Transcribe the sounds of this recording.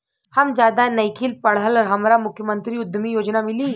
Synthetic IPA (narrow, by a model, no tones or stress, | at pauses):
hɐmd͡ʒjaːd̪anəjkʰilpɐɽ̤əlɾɦɐmɾamʊkʰjəmə̃nt̪ɾiʊd̪mijoːd͡ʒnamɪliː